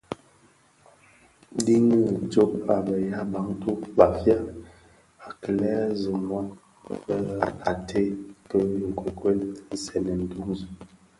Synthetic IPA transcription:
di˦ŋə˦d͡ʒo˦pa˨bə˨ja˦ba˨˦ŋ˦tu˦ba˨fja˦ | a˨kə˨lɛ˦zə˨mwa˦ | bə˦a˨tʰe˦kə˦i˨ŋ̩˨kʰo˨kwe˦ln̩˨sɛ˨nə˨n̩˨tu˦ŋzə˨

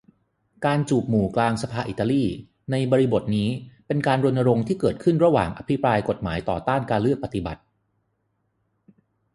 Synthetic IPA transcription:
kaː˧nt͡ɕuː˨˩p̚muː˨˩klaː˧ŋsa˧pʰaː˧ʔi˨˩t̪ːa˧liː˥˩ | na˧jbɔː˧ɾi˧bo˨˩t̪̚niː˦˥pe˧nkaː˧nɾo˧ənːa˧ɾo˧ŋt̪ʰiː˥˩kɤː˨˩t̪̚kʰɯ˥˩nɾa˧wa̰ː˨˩ŋʔa˧pʰi˦˥pɾaː˧jko˨˩t̪̚ma̰ː˩˦jt̪ɔ̰ː˨˩t̪aː˥˩nkaː˧nlɯ˥˩k̚pa˧t̪i˨˩ba̰˨˩t̪̚

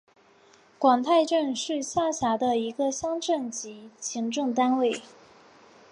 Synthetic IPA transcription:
kwɑ˨˩ŋt̪ʰa˥˧ɪʈ͡ʂə˥˧nʂɻ̩˥˧ɕja˥˩ɕja˧˥d̪ə˧i˧˥ɡə˧ɕjɑ˥ŋʈ͡ʂə˥˩nt͡ɕi˧˥t͡ɕʰi˧˥ŋʈ͡ʂʊ˥˩ŋt̪a˥nwe˥˩ɪ

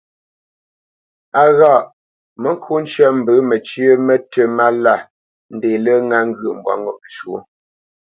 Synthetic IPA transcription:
a˨ɣa˦˨ʔ | mə˨ŋ˦kʰu˦n̩˦t͡ʃɛ˦˨m̩˨bə˨˦mə˨t͡ʃjə˦mə˦tə˨ma˦la˦˨ | n̩˦de˨lə˦ŋa˦ŋ̩˦ɡə˨ʔm̩˨bwa̰˨ŋo˦mə˨ʃwo˦

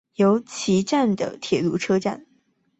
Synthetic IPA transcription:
jo˧˥ʊt͡ɕʰi˧˥ʈ͡ʂa˥˩nd̪ə̰˩t̪ʰjɛ˨˩lu˥˩ʈ͡ʂʰɤ˥ʈ͡ʂa̰˥˩n

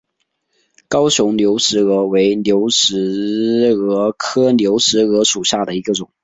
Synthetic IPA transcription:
kɑ˥ʊɕjʊ˧˥ŋljo˧˥ʊʂɻ̩˧˥ɤ˧˥we˧˥ɪnjo˧˥ʊʂɻ̩˧˥ | ɤ˧˥kʰɤ˥njo˧˥ʊʂɻ̩˧˥ɤ˧˥ʂu˨˩ɕja˥˩d̪ə˩i˧˥ɡə˧ʈ͡ʂʊ˨˩˦ŋ

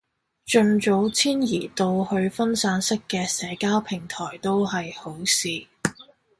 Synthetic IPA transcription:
t͡ʃɵ˧nt͡so˨˥wt͡sʰiː˥njiː˨˩t̪o˧whɵ˧ɥfɐ˥nsaː˨˥nsɪ˥kːɛː˧sɛː˨˥kaː˥wpʰɪ˨˩ŋt̪ʰɔː˨˩jt̪o˥whɐ˨jho˨˥wsiː˨˧

